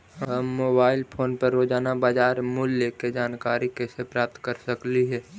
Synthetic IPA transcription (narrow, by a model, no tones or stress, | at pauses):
ɦəːoːbaːɪlpʰoːnpəɾːoːd͡ʒaːnabaːd͡ʒaːɾmʊljeked͡ʒaːnkaːɾikesepɾaːp̚t̪kəɾsəkliɦɛː